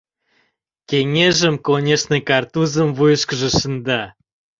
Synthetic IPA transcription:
kʲeŋʲeʒə̆mkonʲeʃnekɑrt̪uzəmvujəʃkə̆ʒə̆ʃənd̪ɑ

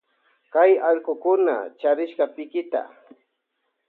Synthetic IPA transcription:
kajɑʎkʊkʊna̰t͡ʃaɾɪʃɢɑpɪkɪt̪a̰

